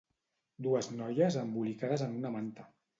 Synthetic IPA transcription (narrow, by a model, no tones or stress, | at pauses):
d̪uəznɔjəzəmbulikaðəzənunəmant̪ə